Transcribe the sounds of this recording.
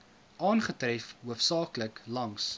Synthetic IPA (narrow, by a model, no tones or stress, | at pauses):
ʔɑːnχətrɛfɦuəfsɑːkləklɐŋs